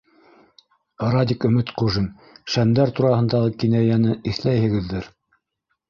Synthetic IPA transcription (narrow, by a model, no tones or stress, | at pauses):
ɾɑd̪ʲikɵ̆mɘt̪quʒɘn | ʃænd̪æɾt̪uɾɑhɤ̆nd̪ɑʁɤkinæjænɘiθlæjhɘ̆ɡɘ̆ðːɘɾ